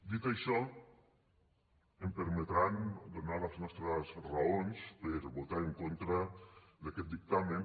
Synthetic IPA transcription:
d̪it̪ajʃɔ | empeɾmet̪ɾand̪onaɾaznɔst̪ɾasraonspeɾbot̪aɾeŋkont̪ɾɐd̪akɛt̪̚d̪ik̚t̪amẽn

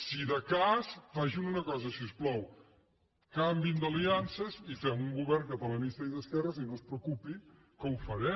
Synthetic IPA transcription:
siðəkasfaʒununəkɔzəsiusplɔw | kambind̪əliansəzifɛmuŋɡuβɛrŋkəpələnist̪əiðəskɛrəsinospɾəkupi | kəwfəɾɛ

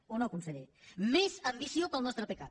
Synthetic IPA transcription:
onokunsəʎemezəmbisiopəlˠnɔst̪ɾəpəkat̪

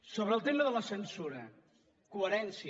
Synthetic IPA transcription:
soβɾəːlˠt̪eməðələsənsuɾə | kuəɾɛnsi

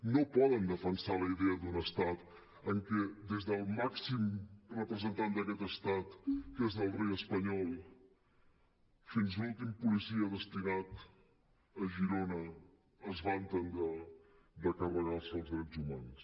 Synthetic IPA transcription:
nopɔðənd̪əfənsaləiðɛəd̪unəst̪at̪ | əŋkɛd̪ezðəlˠmaksimrəpɾəzənt̪and̪əkɛt̪əst̪at̪kezðəlˠrejəspəɲɔlˠ | finzlulˠt̪impulisiəðəst̪inat̪ | əʒiɾonəː | zβant̪ənd̪ə | d̪əkərəɣalˠsəlˠzðɾɛzumans

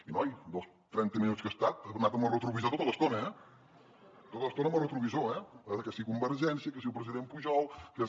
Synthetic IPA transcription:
inɔjd̪olˠs | t̪ɾɛnt̪əminut̪t͡sskəst̪at̪̚ənat̪əmərət̪ɾuβizat̪ot̪ələst̪onəɛ | t̪ot̪ələst̪onəmərət̪ɾuβizoɛəkəsikumbəɾʒɛnsiəkəsiupɾəziðempuʒɔlˠkə

